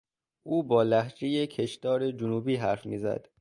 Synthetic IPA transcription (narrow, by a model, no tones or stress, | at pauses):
ʔuːbɒːlæhd͡ʒejecʰe̞ʃt̪ɒːɾe̞d͡ʒʊnuːbiːɦæɾfmiːzæ̰d̪̥